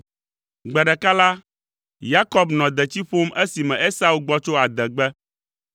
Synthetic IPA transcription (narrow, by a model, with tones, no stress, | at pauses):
ɡ͡bɛ˨ɖɛ˨ka˦la˦ | ja˦kɔ˦bnɔ̃˨d̪ɛ˨t͡ɕi˦ɸo˦me˦si˨mɛ̃˨ʔe˦sa˦u˨ɡ͡bɔ˦t͡ʃo˦a˨d̪ɛ˨ɡ͡bɛ˦